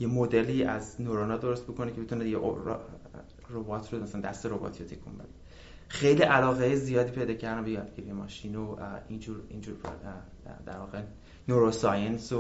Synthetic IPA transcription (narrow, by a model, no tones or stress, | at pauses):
je̞mod̪eliːʔæznoɾonɒːd̪oɾost̪bo̞kʰo̞necʰe̞bet̪unejeʔo̰ | robɒːt̪ʰɾomæsælænd̪æst̪eɾobɒ̰ːt̪ʰiːjot̪ʰekʰṵmbḛd̪e | xejliʔælɒːɣejezijɒːd̪iːpʰe̞jd̪ɒːcʰæɾd̪æmbejɒːd̪̚ɡiɾijemɒ̰ːʃiːnoind͡ʒuːɾind͡ʒuːɾ | d̪æ̰ɾvɒːɣe | noɾosɒjenso